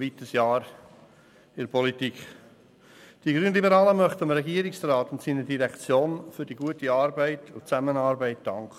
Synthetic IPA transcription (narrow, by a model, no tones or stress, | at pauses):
vitəsjɑːɾ | ɪɾpʰɔlitik | d̥iɡ̥ɾyːnlibəɾɑːləmœχtəmɾɛɡiəɾɪksrɑːtʊntsiːnədiɾɛkt͡sjoːnfʏɾd̥iɡuətiɑːɾbɛɪtʰʊt͡sæmənɑːɾbɛɪt̚d̥ɑŋkχə